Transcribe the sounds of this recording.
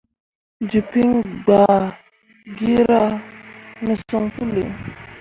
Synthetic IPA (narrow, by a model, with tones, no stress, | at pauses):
d͡ʒi˨pi˦ŋɡ͡ba˨ | ɡi˦ɾa˦ | nə˨su˦ŋfu˦lḭ˨ŋ